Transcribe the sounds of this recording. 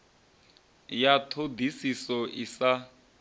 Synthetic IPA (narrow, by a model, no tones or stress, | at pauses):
jatʰodisisɔʔisa